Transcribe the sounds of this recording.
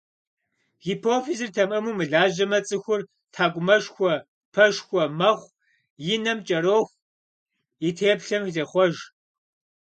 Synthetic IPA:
xipʰoːfizɨrtʰɐmʔɐmuːmɨɮaːʒɐmɐt͡sʼɨxʷʊr | tʰaːkʷʼʊmɐʃxʷɔ | pʰɐʃxʷɔmɐχʷ | jɪnɐmt͡ʃʼɐɾoːxʷ | itʰeːpɬɐmzeχʷɔʒ

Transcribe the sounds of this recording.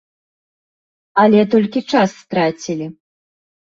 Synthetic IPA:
ɐlʲɛt̪ɔlʲkʲit͡ʂasːt̪ɾat͡sʲilʲi

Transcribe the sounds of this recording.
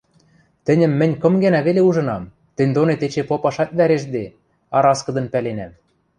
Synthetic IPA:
t̪ɘ̆nʲɘ̆mːɘ̆nʲkɤ̆mɡænæβeleuʒɤ̆nɑm | t̪ɘ̆nʲd̪onet̪et͡ɕepopɑʃɑt̪̚ʲβæɾeʃd̪e | ɑɾɑskɤ̆d̪ɤ̆npælenæm

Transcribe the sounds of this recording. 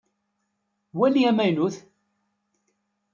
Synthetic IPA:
wæliæmæjnuθ

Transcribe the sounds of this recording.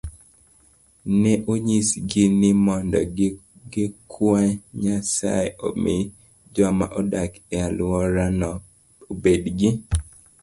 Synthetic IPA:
nɛʔoɲisɡɪnɪmɔndɔ̰ | ɡɪkʰwaɲasa̰jo̰me | d͡ʒamaʔodak | ɛalwɔɾanɔ | obedɡɪ

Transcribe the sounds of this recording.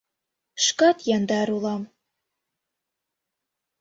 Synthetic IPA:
ʃkɑt̪jɑnd̪ɑɾulˠɑm

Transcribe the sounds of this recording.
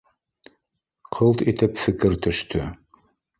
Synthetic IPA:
qʰɤlˠt̪it̪ɘpfɘ̆kɘɾt̪ɵ̆ʃt̪ʰɵ

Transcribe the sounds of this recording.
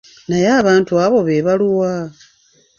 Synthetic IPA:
najaːβaːntuaβo̞βeːβaluwa

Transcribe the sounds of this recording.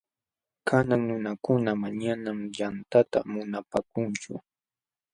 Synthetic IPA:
kʰanaŋnʊnakʊnamaɲanamjant̪at̪a̰mʊnapakʊnt͡ʃʊ̰

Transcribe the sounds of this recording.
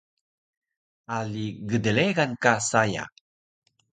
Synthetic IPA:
aliɡədəleɣankasaja̰

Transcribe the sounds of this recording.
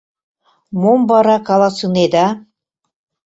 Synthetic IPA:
mombɑɾɑkɑlˠɑsɯned̪ɑ

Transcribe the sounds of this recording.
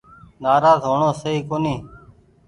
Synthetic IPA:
naːɾaːzɦoːɳoːsəiːkoːniː

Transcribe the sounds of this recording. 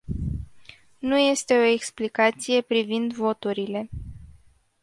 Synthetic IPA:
nuje̞st̪e̞o̞e̞ksplikat̪sije̞pɾivind̪vo̞t̪uɾile̞

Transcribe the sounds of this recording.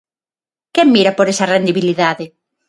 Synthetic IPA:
kɛŋmiɾɐpoɾesɐrend̪iβiliðaðe

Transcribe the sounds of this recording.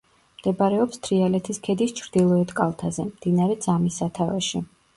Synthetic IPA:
md̪̥ɛbaɾɛɔpst̪ʰɾialɛt̪ʰiskʰɛd̪ist͡ʃʰɾd̪̥ilˠɔɛt̪kʼalˠt̪ʰazɛmd̪̥inaɾɛd̪z̥amisːat̪ʰavɛ̰ʃi

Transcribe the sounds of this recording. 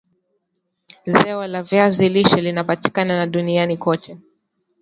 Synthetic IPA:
zɛɔlaviaziliʃɔlinapati̥kananaɗunianikɔt͡ʃɛ

